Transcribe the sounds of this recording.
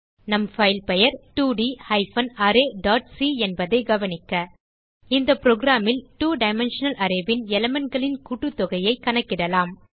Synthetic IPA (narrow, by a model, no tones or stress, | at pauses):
nɐmfɐɪlpɛjɐɾʈuːɖihɐɪfɐnɐɾeːɖaːʈ̚siɛnbɐðɐɪɡɐʋɐnɪkːɐ | ɪnd̪ɐpɾoːɡɪɾaːmɪlʈuːɖɐɪmɛnʂɐnɐlʔɐɾɐbɪnɛlɐmɐnɡɐɭɪnkuʈːɯt̪ːɔɣɐjɐɪkːɐnɐkːɪɽɐlaːm